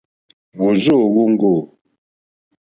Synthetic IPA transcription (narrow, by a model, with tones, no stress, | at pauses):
wo˨zo˦˨ɣo˦ŋ̩˦ɡo˦˨